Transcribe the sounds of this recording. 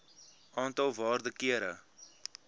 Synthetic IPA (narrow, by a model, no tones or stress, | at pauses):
ʔɑːntɐlˠvɑːrdəkiəɾə